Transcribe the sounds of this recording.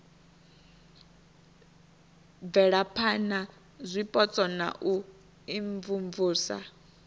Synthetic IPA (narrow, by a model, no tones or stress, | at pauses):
b̪vɛɺapʰana | zʷipʼɔt͡sʼɔna̰ʔu | iɱvuɱvuːsa̰